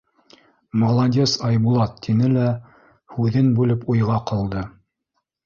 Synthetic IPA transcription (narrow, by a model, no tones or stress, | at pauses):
molˠɐdʲesɑjbulˠɑt̪ʰːinɘlæ | hʉðɘnbʉlɘpujʁɑqɤlˠd̪ɤ